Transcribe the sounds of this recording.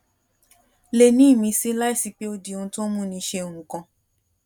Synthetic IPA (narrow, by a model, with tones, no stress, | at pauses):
le˨nĩ˨˦˨mĩ˧si˧˦la˦i˦˨si˨˧k͡pe˦o˧di˨õ˧˦to˦mũ˦nĩ˧˦ʃe˧o˨ũ˨kã˧